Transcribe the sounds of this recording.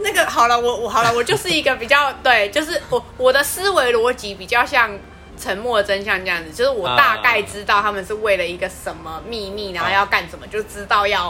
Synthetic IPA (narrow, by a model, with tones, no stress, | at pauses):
na˥˩ɡə˩xɑ˨˩ʊlə˦wɔ˨˩xɑ˨˩ʊlə˦wɔ˨˩t͡ɕjo˥˧ʊʂɻ̩˥˩i˧˥ɡə˨pi˨˩t͡ɕjɑ˥˩ʊt̪we˥˩ɪt͡ɕjo˥˧ʊʂ̬ɻ̩˥˩wɔ˨˩wɔ˨˩d̪ə˦sɹ̩˥we˧˥ɪlwɔ˧˥t͡ɕi˧˥pi˨˩t͡ɕjɑ˥˧ʊɕjɑ˥˧ŋ | ʈ͡ʂʰə˧˥nmwɔ˥˩d̪ə˩ʈ͡ʂə˥nɕjɑ˥˧ŋʈ͡ʂɤ˥˧jɑ˥˩ŋd͡z̩˨˩t͡ɕjo˥˧ʊʂɻ̩˥˩wɔ˨˩t̪a˥˧ka˥˧ɪʈ͡ʂɻ̩˥t̪ɑ˥˩ʊt̪ʰa˥mə˨nʂɻ̩˥˧we˥˩ɪlə˩i˧˥ɡə˨ʂə˧˦nmə˨mi˥˧mi˥˩na˧˥xo˥˧jɑ˥˧ʊka˥˩nʂə˨˩nmə˦t͡ɕjo˥˧ʊ˥ʈ͡ʂɻ̩˥t̪ɑ˥˧ʊjɑ˥˩ʊ